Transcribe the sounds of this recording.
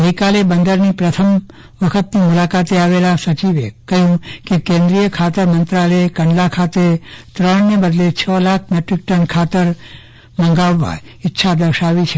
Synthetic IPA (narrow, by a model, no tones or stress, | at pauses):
əɦikalebənd̪əɾnipɾət̪ʰəm | ʋəkʰət̪nimulakat̪eaʋelasət͡ʃiʋekəɦũkekẽnd̪ɾijəkʰat̪əɾmənt̪ɾaləekəɳlakʰat̪et̪ɾəɳnebəd̪let͡ʃʰəlak̚ʰmeʈɾik̚ʈənkʰat̪əɾ | mə̃ŋɡaʋːa̰ | ɪtːʃʰad̪əɾʃaʋit͡ʃʰe